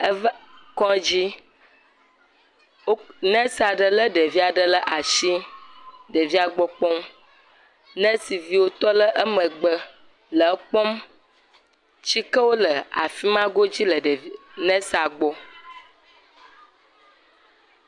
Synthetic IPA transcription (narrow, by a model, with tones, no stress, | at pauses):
ə˦kɔ̃˦d͡ʑi˦ | o˦nɛ̃˦sa˨ɖə˨lə˦ɖə˨vi˦a˨ɖə˦lə˦ʔa˨ʃi˦ | ɖə˨vi˦a˨ɡ͡bɔ˦k͡pɔ˦m | nə̃˦si˨vi˦wo˦t̪ɔ˦lə˦ʔə˦mə̃˨ɡ͡bə˦ | lə˨˦k͡pɔ˦m | t͡ɕi˦kə˦wo˦lə˨a̰˨fi˦mã˦ɡo˦d͡ʑi˦lə˨ɖnɛ̃˦sa˨ɡ͡bɔ˦